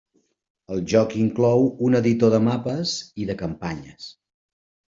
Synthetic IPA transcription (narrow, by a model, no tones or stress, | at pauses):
əlˠʒɔkiŋklɔwunəðit̪oðəmapəziðəkəmpaɲəs